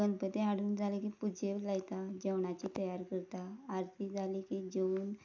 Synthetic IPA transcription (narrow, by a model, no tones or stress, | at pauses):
ənd̪pət̪eaɽ̤uːnd͡zalikipud͡ʑelajt̪ad͡ʑeʋɳat͡ɕit̪əjaɾkəɾt̪aːɾt̪ʰid͡zʱalikid͡ʑeuːn